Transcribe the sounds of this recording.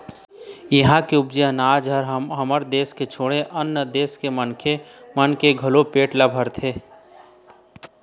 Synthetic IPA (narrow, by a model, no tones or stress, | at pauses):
jəɦãkeʊbd͡ʒiənaːd͡ʒəɾɦəməɾd̪eːsket͡ʃʰoːɽeʔənːəd̪eːskemənkʰemənkeɡʱɐlopeːʈlabʱəɾt̪ʰeː